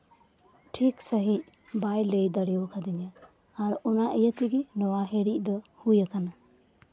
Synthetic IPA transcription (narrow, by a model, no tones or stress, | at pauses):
ʈʰiksəɦic̚ | bajlejd̪əɽɛwɔkʰad̪injaː | ɾɔnaʔejət̪iɡinɔwaɦeɾic̚d̪ɔhujəkana